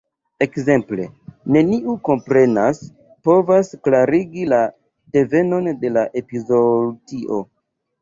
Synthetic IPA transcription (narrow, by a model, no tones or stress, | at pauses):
e̞kze̞mple̞̰ne̞niʔuko̞mpɾe̞nas | po̞vasklaɾiɡila | de̞ve̞no̞nde̞laʔe̞pizo̞diʔo̞